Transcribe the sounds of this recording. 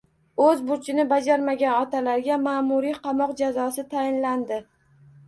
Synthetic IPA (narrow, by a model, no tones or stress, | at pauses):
ɵzbʊɾt͡ʃʰɪnɪbad͡ʒaɾmaɡʲanɒt̪ʰalaɾɡʲamaːmʊɾiqʰɑmɒqd͡ʒazɒsɪt̪ʰajɪnland̪ɪ